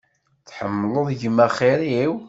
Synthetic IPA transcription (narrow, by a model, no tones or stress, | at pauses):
θħəmːloðˤʝəmːæχeɾiw